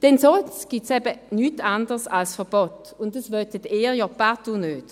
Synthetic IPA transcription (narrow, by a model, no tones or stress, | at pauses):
d̥ɛnsɔlsɡ̥ɪtsɛbənytandəʁsalsfəb̥ɔt | ʊndəsvœt̪əteːʁjɔpatunøːt